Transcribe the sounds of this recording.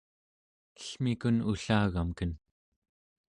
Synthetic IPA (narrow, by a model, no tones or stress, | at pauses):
ə̥ɬmikunuɬaːɣamkən